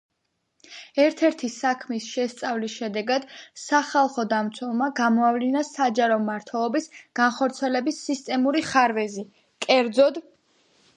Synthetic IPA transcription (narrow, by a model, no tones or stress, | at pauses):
ɛɾt̪ʰɛɾt̪ʰisakʰmisʃɛst̪sʼavlisʃɛd̪ɛɡad̪̥saχalˠχɔd̪amt̪sʰwɛlˠmaɡamɔavlinasad͡ʒaɾɔmaɾt̪ʰwɛlˠɔbisɡ̥anχɔɾt̪sʰiɛlɛbisːist̪ʼɛmuɾiχaɾvɛzi | kʼɛɾd̪zɔd̪